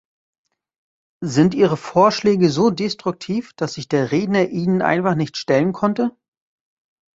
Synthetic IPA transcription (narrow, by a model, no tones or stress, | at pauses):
zɪntʔiːʁəfoːɐʃlɛːɡəzoːdestʁ̥ʊk̚tʰiːfd̥asz̥ɪçd̥eːɐʁeːdnɐʔiːnənʔa̰ɪnfaχnɪçtʃtɛlənkʰɔntə